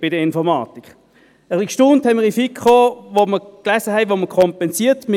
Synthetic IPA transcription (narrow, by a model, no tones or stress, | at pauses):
b̥ɪdəɪnfɔʁmɑ̰ːtikχ | əʁiʃtʊnthɛmiːifikχoːʋoməklæsəɦɛɪʋoməkʰɔmpɛnsiːtmɪ